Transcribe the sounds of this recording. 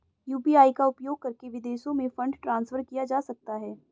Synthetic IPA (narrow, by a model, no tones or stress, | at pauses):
juːpiaːikaʊpjoːɡ̚kɐɾkeʋɪd̪eːʃõmẽfɐ̃ɳɖʈɾãːnsfʰəɾkijad͡ʒaːsɐk̚t̪aɦɛː